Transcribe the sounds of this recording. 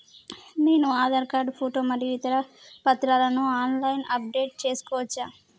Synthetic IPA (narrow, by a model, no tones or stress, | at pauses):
neːnuaːd̪ɐɾkaːɾɖpʰoːʈoːmɐɾjiʋit̪ɐɾɐpɐt̪ɾaːlɐnuaːnlɐjnɐp̚ɖe̞ːʈ̚t͡ʃe̞ːsu̥kɔːʋɐt͡ʃːaːm